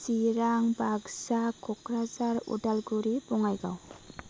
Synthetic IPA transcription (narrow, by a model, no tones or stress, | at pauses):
siɾaŋbaɡsakʰɔkɾazaɾṵdalɡuɾibuŋajɡa̰w